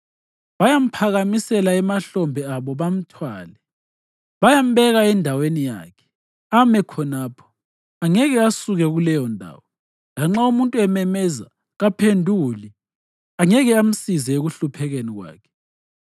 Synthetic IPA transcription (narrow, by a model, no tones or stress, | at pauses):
βajam̩pʰaɣamisɛlaɛmaɬɔmbʱɛaβɔβam̩tʰwaːlɛ | βajam̩βɛɣaɛndʱawenija̰ːkʰɛ̥ | amɛkʰɔnaːpʰɔ̥ | aŋɛɣɛasuɣɛɣulɛjɔndʱa̰ːwɔ | laŋ͡ǁaumuntʼuɛmɛmɛza | ɣapʰendʱuli | aŋɛɣɛam̩sizɛeɣuɬupʰɛɣeniɣwa̰ːkʰɛ̥